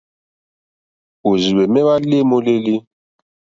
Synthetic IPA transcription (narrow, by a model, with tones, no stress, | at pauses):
o˨zi˨we˨mɛ˦βa˦le˦mo˦le˦li˦